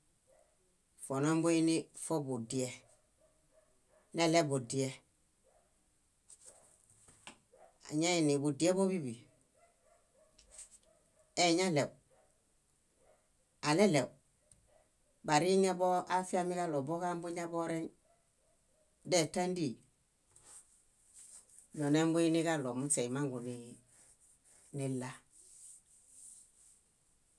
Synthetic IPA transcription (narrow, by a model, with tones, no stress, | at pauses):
fo˨no˦mbu˦i˦nifo˦bu˨di˨e˨ | ne˦le˦bu˨di˨e˦ | a̰˨ɲa˦i˨ni˨bu˨dije˦bo˦bi˦bi˨ | e˨ɲa˦le˨w | a˨le˦le˨w | ba˨ɾi˦ɲa˦bo˦ʔafi˦a˦mi˦ka˦lo˨bo˦ka˦mbu˦ɲa˦bo˦ɾe˦n | de˦tːa˦ndi˦˨ | lo˨ne˦mbu˦i˦ni˦ka˦lo˨muse˨i˨ma˦ŋɡu˨ni | ni˦lːa˦